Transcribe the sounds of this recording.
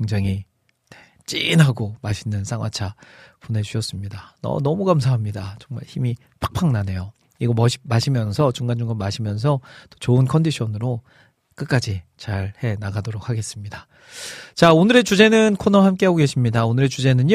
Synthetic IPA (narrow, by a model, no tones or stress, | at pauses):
keŋd͡ʑaŋɦi | ne̞ | t͡ɕ͈ḭnɦaɡomaɕʰinːɯns͈ʰaŋwa̰t͡ɕʰapone̞d͡ʑuɕʰʌs͈ɯmɲidanʌ̰nʌmuɡamsʰaɦamɲidat͡ɕʌŋma̰ɭçimi | pʰak̚pʰaŋnane̞jo | iɡʌmʌɕi̥maɕʰimjʌnsʰʌt͡ɕuŋɡand͡ʑuŋɡanmaɕʰimjʌns̬ʰʌt͈ʌ̥t͡ɕoɯnkʰʌndiɕʰʌnɯɾo | k͈ɯk͈ad͡ʑit͡ɕaɾhe̞naɡadoɾok̚ʰaɡe̞s͈ɯmɲida | t͡ɕaonɯɾe̞t͡ɕud͡ʑe̞nɯnkʰonʌhamk͈e̞ɦaɡoɡe̞ɕʰimɲidaonɯɾe̞t͡ɕud͡ʑe̞nɯn